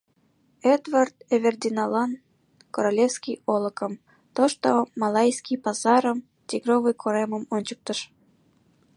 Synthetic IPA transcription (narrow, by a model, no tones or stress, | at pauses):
ed̪vɑrt̪evʲerd̪ʲinɑlɑn | koɾolʲefskʲijolˠəkəm | t̪oʃt̪omɑlɑjskʲijpɑzɑɾəm | tʲiɡrovɨjkʰoɾeməmonʲt͡ɕək̚t̪əʃ